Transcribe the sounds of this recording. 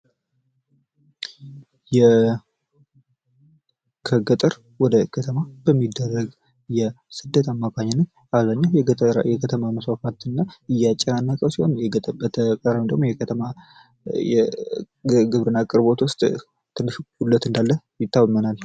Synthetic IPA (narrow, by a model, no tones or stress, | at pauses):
jɛ | kʰəɡət̪ʼəɾ | wɔd̪əkʰət̪ʰəmabəmːid̪ːərːəɡ | jɛ | sɨd̪ːət̪amːakʰaɲːanːəɲ | aβzaɲːawjɛjɛkʰət̪ʰəmaməswafat̪ɨnːaɨjat͡ʃʼɛanːəkʼəwsihonjɛbət̪ʰəkʼərəwɨnd̪əɡmojɛəma | ɛ | ɡɨβɾɨnːakʼɨɾbo̞t̪wʊst̪ʼ | t̪ʰɨlːɨʃulːət̪ɨnd̪alːə | jɪt̪ʰːawmənal